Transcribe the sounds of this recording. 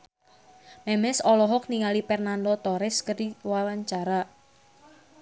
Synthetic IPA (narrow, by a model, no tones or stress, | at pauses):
mɛmɛsɔlɔɦɔk̚niŋalipɛrnandɔt̪ɔɾɪskəɾiwawaɲt͡ʃaɾa